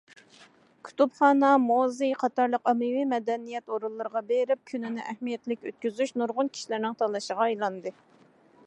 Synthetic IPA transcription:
kʲʰy̥t̪upχɑːnɑmozɨjqʰɑt̪ɑɾlˠəqɑmɨwimɛd̪ɛnijɛt̪oɾulˠːɨɾəʁɑbeɾɪp̚kʲʰynɪnɪʔæhmijɛt̪lɪkʲøt̪̚kʲyzyʃnuɾʁʊnkʲʰi̥ʃilɪɾnɪŋt̪ʰɑlˠːɑʃəʁɑɑjlˠɑnd̪ɨ

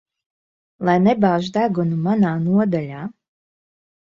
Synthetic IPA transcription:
lˠajnebaːʒd̪aɡunumanaːnuɔd̪alʲaː

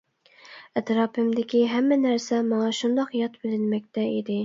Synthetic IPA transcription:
ɛt̪ɾɑːpʰɪmd̪ɪkʲiɦɛmːɛnæɾsɛmɑŋɑʃund̪ɑqjɑt̪bɪlɪnmɛk̚ʲt̪ɛid̪ɪ

